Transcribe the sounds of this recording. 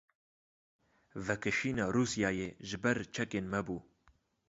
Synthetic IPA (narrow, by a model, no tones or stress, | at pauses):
vɛkɨʃiːnɑːɾuːsijɑːjeːʒɪbɛɾt͡ʃʰɛkeːnmɛbuː